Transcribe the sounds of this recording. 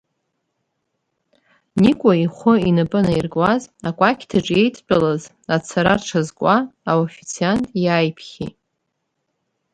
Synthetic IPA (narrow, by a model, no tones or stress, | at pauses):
nikʷʼaiχʷʊinɨpʼɨnairɡwazakʷʼakʲʰdʰaʈ͡ʂʼe̞jtʰpʼalaz | at͡sʰaɾarʈ͡ʂʰazkʷʼaaofit͡sʰiantʼjajpʰχʲḭ